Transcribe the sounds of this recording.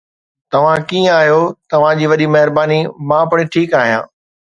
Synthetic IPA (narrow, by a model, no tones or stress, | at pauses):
t̪ɐʋ̤ãkĩːə̃aːɦijot̪ɐʋ̤ãd͡ʑiːʋɐɗimɛɦɪɾbaːnimãːpəɽ̃ɪʈʰiːkaːɦijã̰ː